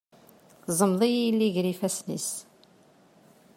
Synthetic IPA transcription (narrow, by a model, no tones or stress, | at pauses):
zˤəmðˤijilːiʝɾifæsnḭs